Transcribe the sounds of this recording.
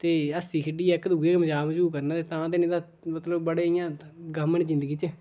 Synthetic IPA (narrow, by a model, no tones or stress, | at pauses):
t̪eːəsiːkʰəɖiːɛkd̪uːeːkməd͡ʒaːməd͡ʒuːkəɾnaːt̪eːt̪ãːt̪eːnɪ̃ːd̪aː | mət̪ləbbəɽeːɪjãː | ɡəmːəɳd͡ʒɪ̃nd̪əɡiːt͡ʃə